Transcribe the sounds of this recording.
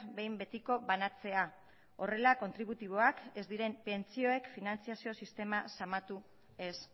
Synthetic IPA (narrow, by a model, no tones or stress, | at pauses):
be̞jmbe̞t̪iko̞βanat͡se̞a | o̞re̞lako̞nt̪ɾiβ̞ut̪iβ̞o̞ake̞zd̪iɾe̞mpe̞nt͡sio̞e̞kfinant͡siasio̞sist̪e̞masamat̪u | e̞s